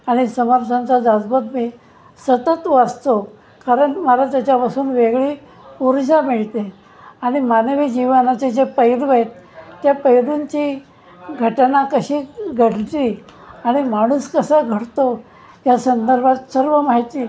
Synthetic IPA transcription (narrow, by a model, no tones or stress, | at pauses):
aɽ̃isəməɾt̪ʰant͡sad͡zad͡zbət̪miː | sət̪ət̪ʋəst̪o | kaɾəɳʈməlat̪jat͡ɕjapasuːnʋeɡɭi | uɾd͡ʑamiɭt̪e | aɽ̃imanʋiːd͡ʑiʋnat͡ɕed͡ʑepəjɾʋəjt̪ːjapəjɾuɲt͡ɕi | ɡʱəʈnakəɕiːɡʱəɽt̪i | aɽ̃imaɽ̃uːskəsəɡʱəɽt̪o | jasənd̪əɾbʱat̪səɾʋəmaɦit̪i